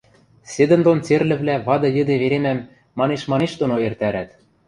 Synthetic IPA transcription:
sed̪ɘ̆nd̪ont͡serlɘ̆βlæβɑd̪ɤ̆jɘ̆d̪eβeɾemæmː | ɑneʃmɑneʃt̪onoert̪æɾæt̪

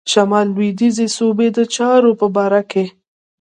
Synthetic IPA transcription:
ʃamɑlːwid̪izesobed̪ət͡ʃɑɾopəbɑɾake

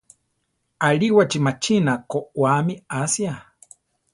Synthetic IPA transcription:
aɺiwat͡ʃimat͡ʃinakowamiasia

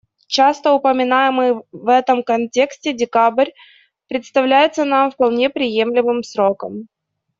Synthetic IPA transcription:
t͡ɕast̪əʊpəmʲɪnajɪmɨvɛt̪əmkɐnʲtʲe̞ksʲtʲɪdʲɪkabɾʲ | pɾʲɪt̪st̪ɐvlʲæjɪt̪sənamfpɐlˠnʲe̞pɾʲɪje̞mlʲɪmɨmsɾo̞kəm

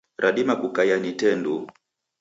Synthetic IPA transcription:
ɾʔaɗimakukajanitɛndu

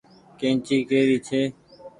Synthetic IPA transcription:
kẽːt͡ʃiːkeːɾiːt͡ʃʰeː

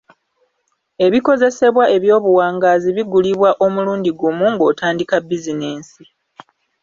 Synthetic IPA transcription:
e̞βiko̞ze̞se̞βwaʔe̞βjo̞ːβuwaːŋɡaːziβiɡuliβwaʔo̞muluːndiɡumuŋɡo̞ːtaːndikabizine̞ːnsi

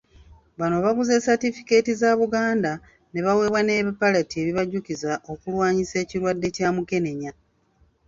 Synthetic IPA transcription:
βanoβaβuze̞ːsatifi̥ke̞ːtizaːβuɡaːnda | ne̞βawe̞ːβwane̞ːβipalatie̞βiβaɟucizaʔo̞kulwaːɲise̞ːciɾwadːe̞caːmuke̞ne̞ɲa

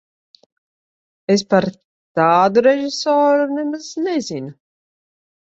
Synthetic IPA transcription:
es̬paɾ | t̪aːd̪uɾɛʒisɔːɾunɛmaznɛzinu

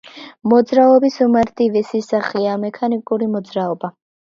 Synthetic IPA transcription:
mɔd̪zɾaɔbisumaɾt̪ʰʼivɛsisaχiamɛkʰanikʼuɾimɔd̪zɾaɔba

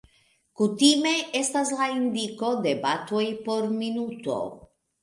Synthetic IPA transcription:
kutime̞ʔe̞staslaind̪iko̞de̞batojpo̞ɾminuto̞̰

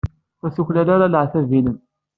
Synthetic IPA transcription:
fæsuçlælaɾalʕθævinən

